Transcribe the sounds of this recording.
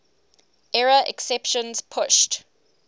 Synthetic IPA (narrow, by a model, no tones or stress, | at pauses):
ɛɹəʔɛ̰ksɛpʃə̃nz̥pʰʊʃt